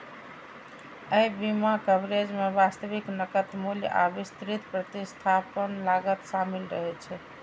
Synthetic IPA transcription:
əjbimakəbɾed͡ʒmebast̪əβiknəkət̪mulja̰bist̪ɾit̪pɾət̪ist̪ʰapənlaɡət̪samilɾəɦɛt͡ʃʰɛ

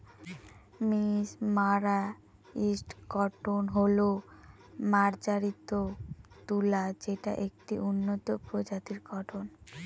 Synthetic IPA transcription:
mismaɾa | isʈɡɔʈʰonɦolo | maɾd͡ʑaɾit̪ot̪ulad͡ʑeʈa̰ʔek̚ʈiʔunːot̪opɾod͡ʑat̪iɾɡɔʈʰon

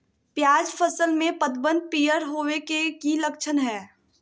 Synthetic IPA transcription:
pjaːd͡ʒpʰəsəlmẽpəd̪bə̃nd̪̚piːjəɾɦoːwekekilɐkʃʰənɦɛː

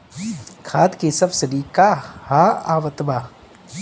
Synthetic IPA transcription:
kʰaːd̪kisɐbsɐɾikahaːaːʋɐt̪baː

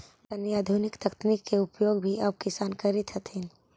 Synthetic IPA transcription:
ɐnjaːd̪ʱunɪkt̪ɐkt̪nikːeʊpjoːɡbʱiɐb̚kɪsaːnkəɾit̪ʰɦət̪ɦin

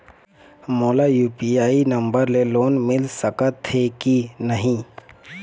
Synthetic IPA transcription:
moːlajuːpiaːinə̃mbəɾleloːnmɪlsəkət̪ʰːekinəɦĩː

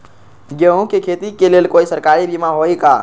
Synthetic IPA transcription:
ɡəũkekʰet̪ikeleːlkoːisəɾkaːɾibʱimaɦoika̰ː

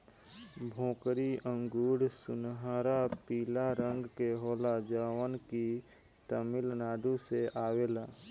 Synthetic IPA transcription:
bʱõːkɾiə̃ŋɡuːɽsʊnɦaːɾapiːlaɾə̃ŋɡkeɦoːlad͡ʒaːwənki | t̪əmɪlnaːɖ̪ũseʔaːweːlaː

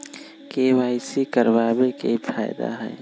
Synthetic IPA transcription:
keʋaːɪsikəɾbaːbekepʰa̰ːɪd̪a̰ɦɛ̰ː

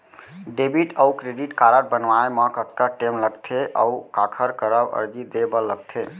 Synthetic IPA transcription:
ɖebiʈəwkɾeɖiʈkaɾəʈ̚bənʋaeməkət̪kəʈemləɡt̪ʰeʔə̰wkakʰəɾkəɾəbə̰ɾd͡ʒid̪ebələɡ̚t̪ʰe

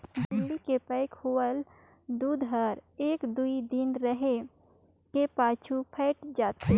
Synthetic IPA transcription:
bɪllikepəɪkhoːəl | d̪uːd̪ɦəɾeːkd̪uid̪ɪnɾəɦe | kepaːt͡ʃʰupʰɛːʈd͡ʒaːt̪ʰe

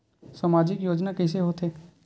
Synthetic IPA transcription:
samaːd͡ʒɪkjoːd͡ʒnakɛːs̬eɦoːt̪ɦeː

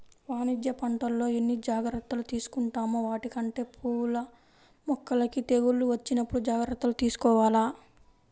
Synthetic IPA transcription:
ʋaːnid̪jɐpɐɳʈɐlːo̞ːenːid͡ʒaːɡɾɐt̪ːɐlut̪iːsu̥kuɳʈaːmuʋaːʈikɐɳʈe̞ːpʰuːlɐ | mɔkːɐlɐkit̪eɡulːuʋɐt͡ʃːinɐpːuɽud͡ʒaːɡɾɐt̪ːɐlut̪iːsu̥kɔːʋaːlaː

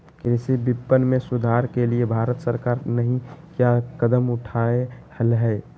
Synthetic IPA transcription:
kɪnsibɪpːənmẽsʊd̪ʱaɾkeliebʱaːɾət̪səɾkaːɾnəɦĩkjakəd̪əmʊʈʰaehəlɦɛ

